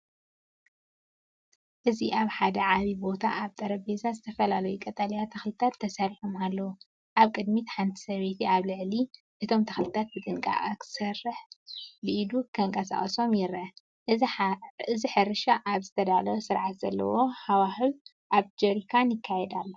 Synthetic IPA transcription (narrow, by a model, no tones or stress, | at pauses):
ʔɨziʔaβħad̪ɐʕaβibo̞t̪ʰa̰aβt̪ʼɐɾɐbezazɨt̪ʰɐfɐlalɐjukʼɐt̪ʼalɐjat̪ʰɐxlɨt̪ʰat̪ʰːɐsaɾiħomalːɐwu | ʔaβkʼɨd̪mit̪ħant̪ʰi̥sɐβet̪ʰiaβlɨʕli | ʔɨt̪ʰo̞mt̪ʰɐxlɨt̪ʰat̪̚bɨt̪ʼɨŋkʼa̰ʔakʰɨ̥sɐrːɨħbɨʔid̪ukʰɐŋkʼɐsa̰χʼɐso̞mjɪɾʔɐ | ʔɨ | ɨziħɨɾɨʃaʔaβzɨt̪ʰɐd̪alɐwosɨɾʕat̪z̥ɐ̰lːɐ̰wo̞ħawahɨl | ʔaβd͡ʒɐɾikʰanjɪkʰːajɛd̪alːo